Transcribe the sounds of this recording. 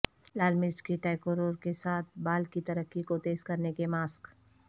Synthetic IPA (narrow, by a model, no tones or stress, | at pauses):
laːlmɪd͡ʒkiʈaːɪkoɾoːɾkesaːt̪̚ʰbaːlkit̪ɐɾəkːikot̪eːzkɐɾnekemaːsk